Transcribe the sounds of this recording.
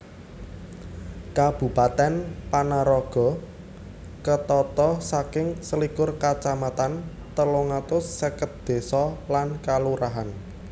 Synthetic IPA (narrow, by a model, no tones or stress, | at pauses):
kab̥ṳpat̪ɛnpanaɾɔɡ̥ɔ̤ | kət̪ɔt̪ɔsakɪŋsəlikʊrkat͡ʃamat̪an | t̪əluŋat̪ʊsːəkət̪̚d̪̥e̤sɔlankaluɾaɦan